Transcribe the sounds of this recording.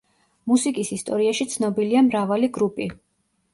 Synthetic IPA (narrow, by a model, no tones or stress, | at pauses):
musikʼisist̪ʼɔɾiaʃit̪sʰnɔbiliamɾavaliɡɾupʼi